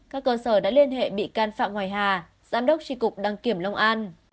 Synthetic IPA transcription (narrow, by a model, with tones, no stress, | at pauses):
kaː˦˥kːəː˧səː˧˩ɗa̰ː˧˥li˧ənɦḛ˧˨ɓḭ˧˨kaː˧nfa̰ː˧˨mŋwaː˨˩jɦaː˨˩ | zaː˨˦mɗə˦˥k͡p̚t͡ɕi˧˩kʊ˨˩k͡p̚ɗaː˨˩ŋki˨˧˩əmlə˧wŋ͡mʔaː˧n